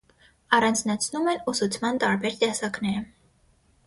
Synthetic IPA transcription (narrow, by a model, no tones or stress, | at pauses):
ɑrɑnd͡znɑt͡sʰnumɛnusut͡sʰmɑnt̪ɑɾbɛɾt̪ɛsɑknɛɾə